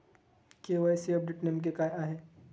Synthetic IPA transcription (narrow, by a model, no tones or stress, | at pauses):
keʋajsiɔp̚ɖeʈnemk̬ekaːjaːɦe